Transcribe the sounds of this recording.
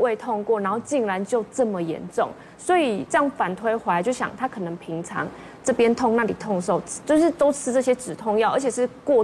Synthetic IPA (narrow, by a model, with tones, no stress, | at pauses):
we˥˧ɪt̪ʰʊ˥˧ŋkwɔ˥˩n˧˥nxo˥˧ʊt͡ɕi˥˩ŋɻa˧˦nt͡ɕjo˥˧ʊʈ͡ʂɤ˥˩mə˨jɛ̰˧˥nʈ͡ʂʊ̰˥˨˩ŋ | swɔ˧˥i˨˩ʈ͡ʂɤ˥˧jɑ˥˩ŋfa˨˩nt̪ʰwe˥ɪxwa˧˥ɪt͡ɕjo˥˩ʊɕjɑ̰˨˩ŋt̪ʰa˦˥kʰɤ˨˩nə˧˦ŋpʰi˧˦˥ŋʈ͡ʂʰɑ̰˧˦˥ŋ | ʈ͡ʂɤ˥˩pjɛ˥nt̪ʰʊ˥˧ŋna˥˩li˨˩t̪ʰʊ˥˧ŋʂo˥˩ʊ˩t͡ɕjo˥˧ʊʂɻ̩˥˩t̪o˥ʊʈ͡ʂʰɻ̩˥ʈ͡ʂɤ˥˧ɕjɛ˥ʈ͡ʂɻ̩˨˩t̪ʰʊ˥˧ŋjɑ˥˩ʊə˞˧˥t͡ɕʰjɛ˨˩ʂɻ̩˥˧kwɔ˥˩